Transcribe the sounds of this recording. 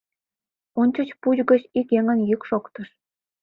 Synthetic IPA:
onʲt͡ɕɤ̆t͡ɕpud͡ʑɡə̆t͡ɕikjeŋə̆njykʃokt̪ɤ̆ʃ

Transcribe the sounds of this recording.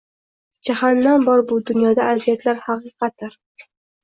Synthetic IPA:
d͡ʒahanːanbɒɾbʊd̪ʊnjɒd̪aʔːzijat̪ʰlaɾhɑqɨqʰɑt̪̚ːɪɾ

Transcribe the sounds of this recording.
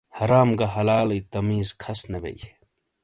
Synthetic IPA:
hɐɾaːmɡɐɦɐlaːlijt̪ɐmiːzkʰɐsnɐbḛj

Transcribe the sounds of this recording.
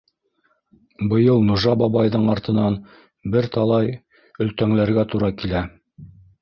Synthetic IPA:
bɤ̆jɤlˠnŭʒɑbɑβɑjðɤɴɑɾt̪ɤ̆nɑn | bɘɾt̪ɑlˠɑj | ɵ̆lt̪æŋlæɾɡæt̪uɾɑkilæ

